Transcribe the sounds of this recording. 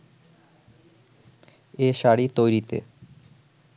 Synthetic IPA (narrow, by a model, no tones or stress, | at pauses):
eʃaɽit̪ojɾit̪ḛ